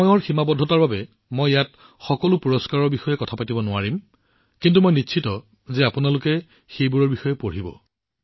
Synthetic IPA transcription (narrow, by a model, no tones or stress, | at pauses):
ɔɔɹximabɔdʱːɔtaɹbabɛ | mojjat | xɔkɔlʊpuɹɔskaɹɔɹbixɔjɛkɔtʰapatibɔnʊaɹim | kintumɔjnitːʃʰitɔ | zɛapʊnalʊkɛ | xejbuɹɔɹbixɔjɛpoɹibɔ̰